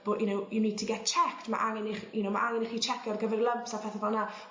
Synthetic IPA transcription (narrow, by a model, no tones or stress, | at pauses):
b̥oʔɪnowɪniːtʰiɡɛt͡ʃʰɛktma̰ʔaŋɛnɪχṵnowma̰ʔaŋɛnɪχit͡ʃʰɛkjɔrɡəvɛrlˠəmpsapʰɛθɛvɔna